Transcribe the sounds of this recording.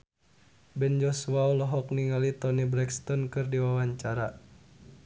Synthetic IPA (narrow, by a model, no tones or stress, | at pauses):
bɛnd͡ʒɔsuaulɔɦɔk̚niŋalit̪ɔnibɾɛkst̪ɔnkɨrdiwawaɲt͡ʃaɾa